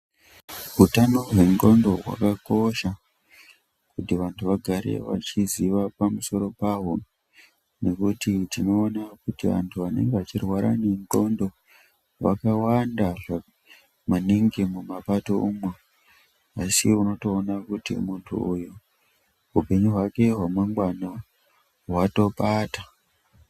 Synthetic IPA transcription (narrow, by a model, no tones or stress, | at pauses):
ɦutano̞rwe̞ŋɡondo̞ɦwa̰kako̞ʃa | kutiʋantʰuʋaɡʱaɾe̞̰ʋa̰t͡ʃiziʋapamuso̞ɾo̞paɦo | ne̞kutitino̞ːnakutiʋa̰ntʰuʋane̞̰ŋɡeʋat͡ʃirwaɾa̰ne̞ŋɡo̞ndo̞ | ʋa̰kawandaʐa | maniŋɡemumapato̞umwe | asiuno̞to̞ːnakutḭmuntʰṵuju | ɦupe̞ɲuɦwake̞ɦwamaŋɡwana | ɦwato̞ɓaːta